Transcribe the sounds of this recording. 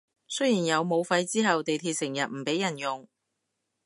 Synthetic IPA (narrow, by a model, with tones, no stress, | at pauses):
sɵ˥jiː˨˩njɐ˨˧wmo˨˧wfɐ˧jt͡siː˥ɦɐ˨wt̪e˨jt̪ʰiː˧t̚sɪ˨˩ŋjɐ˨t̚m̩˨˩pe˨˥jɐ˨˩njʊ˨˩ŋ